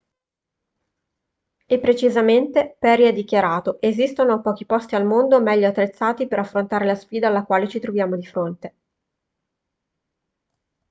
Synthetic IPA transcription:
epːɾet͡ʃizament̪epɛɾiɛd̪ːikjaɾaːt̪oʔezist̪onoapɔːk̟ipɔst̪ialmond̪omɛʎːoat̪ːɾet̪sːaːt̪ipeɾafːɾont̪aːɾelasfiːd̪aːlːakwaːlet͡ʃit̪ɾovjaːmod̪ifɾont̪e

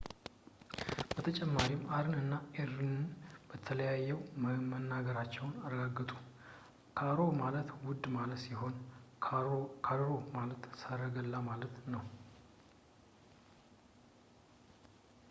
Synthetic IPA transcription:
b̥ət̪ʰət͡ʃʼɛmːaɾimaɾɨnɨnːaeɾɨnɨnb̥ət̪ʰələjajːɛwmmənːaɡəɾat͡ʃːɛwnaɾəɡaɡːɨt̪ʼu | kʰaɾomalət̪wʊd̪malət̪siɦo̞nʰ | kʰaɾɾomalət̪səɾəɡəlːamalət̪nəw

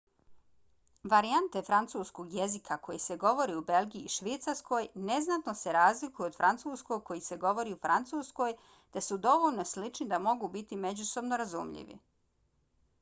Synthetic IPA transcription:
ʋaɾiant̪e̞fɾant̪suːskoɡjezikʰako̞jise̞ɡo̞ʋo̞ɾiube̞lˠɡiiːʃʋit̪saɾsko̞jne̞znat̪noseɾaːzlikujuod̪fɾʔant̪suːskoɡ̚ko̞jise̞ɡo̞ʋo̞ɾiufɾant̪suːsko̞j | t̪esud̪o̞ʋo̞ʎno̞slit͡ʃnid̪amo̞ɡubit̪ime̞d͡ʑuso̞bnoɾazṵmʎḭʋḭ

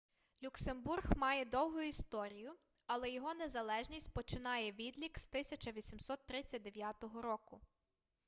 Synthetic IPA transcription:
lʲuksemburɣmɑjɛd̪ɔwɦʊjʊist̪ɔɾʲijʊ | ɐlˠɛjɔɦɔnezɐlˠɛʒnʲisʲtʲpɔt͡ʃɪnɑjɛʋʲid̪lʲikst̪ɪsʲɐt͡ʃɐʋʲisʲimsɔt̪ːɾɪt͡sʲːɐt̚ʲd̪eʋʲjɑt̪ɔɦɔɾɔkʊ

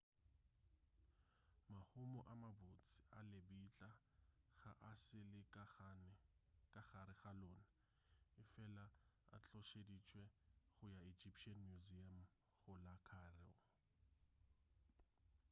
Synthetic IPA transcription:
mahʊmɔʔamabʊt͡sʼi̥alebit͡ɬʼaɣaʔasɪlɪknkʼaχaɾɪɣalonɪ | ɪfɛlaa̰t͡ɬɔʃedit͡ʃʼwɛɣʊjaid͡ʒipʰʃianmjuziam | ɣʊlakʰarɪ̰ʊ

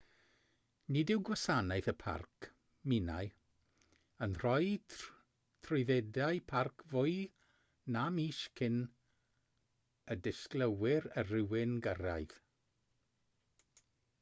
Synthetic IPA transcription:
nɪdɪwɡwasanajθəpʰa̰rkʰ | mɪna̰j | ənr̥ɔj | tʰrʊɨðɛdaɨpʰarkʰvʊɨ | namiːʃkʰɪn | ədɪskləwɪɾərɪwɪnɡəra̰jð

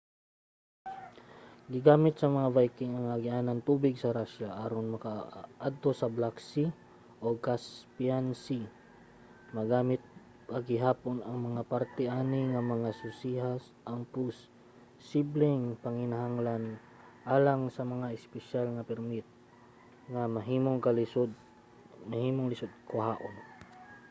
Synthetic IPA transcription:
ɡɪɡaːmɪt̪̚sɐmɐŋavajkɪŋɐŋaɡɪʔaːnant̪uːbɪɡsɐɾaʃaʔaːɾonmɐkaʔad̪̚t̪o̞sɐblaksi | ʔokaspiansi | mɐɡaːmɪt̪̚ | pɐɡɪɦaːponɐŋmɐŋapaɾt̪ɛʔaːnɪŋɐmɐŋasʊsiɦas | ʔaŋpʊsː | iblɪŋpɐŋɪnaɦaŋlan | ʔaːlaŋsɐmɐŋaɪspɛʃalŋapɛɾmɪt̪̚ | ŋamɐɦiːmoŋkalɪsod̪̚ | mɐhiːmoŋlɪsod̪̚kʊɦaːʔon

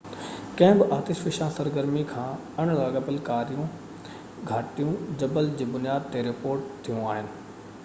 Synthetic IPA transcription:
kɐ̃ɦɪ̃bɪʔaːt̪eːʃʋɪʃãsɐɾɡəɾmikʰãː | ɐɽ̃laːɠəpɪlkaːɾijũ | ɡʱaːʈijũd͡ʑɐbəld͡ʑiːbʊnijaːd̪̚t̪eɾɪpoːɾʈt̪ʰijũaːɦɪnɪ̆

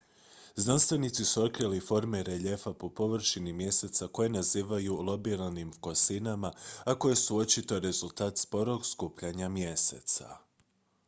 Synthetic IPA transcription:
znanst̪ʋenit̪sisuo̞t̪̚kɾilifo̞ɾmeɾe̞ʎe̞fapo̞po̞ʋɾʃinimje̞se̞t̪sako̞jenaziːʋajulˠo̞bilanimfkosinamaako̞je̞suo̞t͡ɕit̪o̞ɾe̞zulˠt̪aːt̪spo̞ɾo̞ɡskuːpʎaɲamje̞se̞̰t̪sa̰

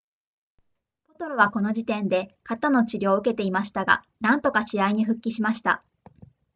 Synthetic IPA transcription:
b̥o̞t̪o̞ɾoβ̞ako̞no̞d͡ʑit̪ẽ̞nd̪e̞kat̪ano̞t͡ɕiɾʲo̞ːɯ̟ke̞t̪e̞imaɕi̥t̪aɡa̰ | nãnt̪o̞kaɕiaiɲ̟iɸɯ̟kʲːiɕimaɕi̥t̪a̰

